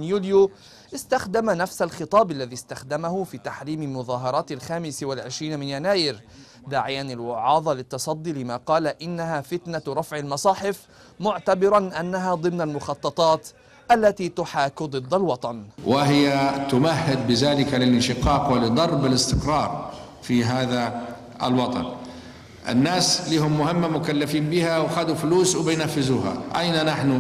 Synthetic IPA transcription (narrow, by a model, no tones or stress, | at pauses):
njuːlju | ʔɪst̪axd̪amanafsalxɨt̪ˤɑːbalːaðiːst̪axd̪amahʊfiːt̪aħɾiːmalmʊðɑːɦɑɾˤɑːt̪alxaːmɪswalʕɪʃɾiːnmɪnjanaːjɪɾ | d̪aːʕɪjanalwʊʕɑːðˤɑlɪt̪ːɑsˤɑd̪ˤːiːlɪmaːqɑːlaʔɪnːaɦaːfɪt̪naɾˤɑfʕalmɑsˤɑːħɪf | mʊʕt̪abɪɾɑnʔanːaɦaːd̪ˤɨmnalmʊxɑt̪ˤːɑt̪ˤɑːt̪ | ʔalːat̪iːt̪ʊħaːkd̪ˤɨd̪ːalwɑt̪ˤɑnwɪɦɪjat̪ʊmahːɪd̪̚bɪðaːlɪkalɪlɪnʃɪqɑːqwɪlɪd̪ˤɑɾˤbɪlɪst̪ɪqɾˤɑːɾˤ | fiɦaːða | ɪ̰lwɑt̪ˤɑ̰n | ʔɪ̰nːaːsliːhʊmːʊhɪmːamʊkalːafiːnbɪhawxad̪ufʊluːswbɪjnafːɪzuːha̰ʔa̰jnanaħnʊ